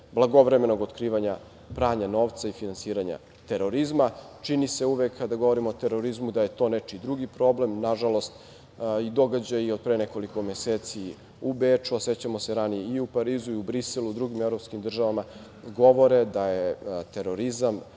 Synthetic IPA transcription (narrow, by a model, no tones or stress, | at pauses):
blˠaɡo̞ʋɾeme̞no̞ɡot̪kɾiːʋaɲa | pɾaːɲano̞ːʋt̪saifinansiːɾaɲa̰ | t̪e̞ɾo̞ɾizmat͡ʃinise̞uʋekʰːad̪aɡoʋo̞ɾimoːt̪e̞ɾo̞ɾizmud̪ajet̪o̞net͡ʃid̪ɾuɡipɾo̞ble̞mnaʒalo̞st̪ | id̪o̞ɡad͡ʑajio̞d̪̚pɾeneko̞liko̞me̞seːt̪si | ubeːt͡ʂuase̞t͡ɕamo̞se̞ɾanijeiupaɾiːzuiubɾiselˠud̪ɾuɡimevɾo̞pskimd̪r̩ʒaʋama | ɡo̞ʋo̞ɾed̪ajet̪eɾo̞ɾizam